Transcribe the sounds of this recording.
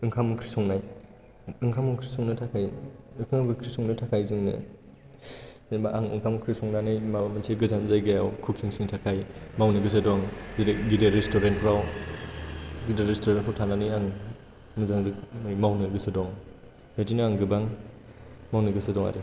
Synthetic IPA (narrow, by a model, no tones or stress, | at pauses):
ɯŋkʰamɯkʰɾisɔŋnaj | ɯŋkʰamɔŋkʰɾisɔŋnɯtʰakʰajɯkʰɯŋabɯkʰɾisɔŋnɯtʰakʰajzɯŋnɯ̰ | maʔaŋɯ̰ŋkʰamkʰɾisɔŋnanɯjmamɯnsʰeɡɯzanzajɡajawkʰukʰiŋsiŋtʰakʰajmawnɯɡɯsɯdɔŋɡideɡideɾestɔɾent̚kʰɾaw | ɡideɾestoɾenkʰɾawtʰananɯjaŋ | mɯzaŋzɯjmawnɯɡɯsɯdɔŋ | betinɯaŋɡɯbaŋ | mawnɯɡɯsedɔŋa̰ɾi